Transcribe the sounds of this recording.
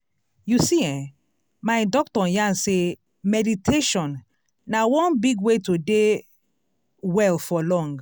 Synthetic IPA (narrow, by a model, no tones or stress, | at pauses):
jusiɛ̃ | maɪdɔk̚tɔ̃jãnse | mɛditʰeʃɔ̃nː | awɔ̃nbiɡwetode | wɛlfɔlɔ̃ŋɡ